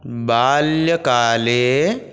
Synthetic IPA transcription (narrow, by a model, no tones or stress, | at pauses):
baːljəkaːle